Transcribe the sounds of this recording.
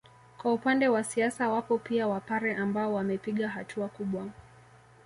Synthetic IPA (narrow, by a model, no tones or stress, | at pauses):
kwaupandɛwasiasawapɔpiawapaɾɛʔambaɔwamɛpiɠaɦatʰuakuɓwa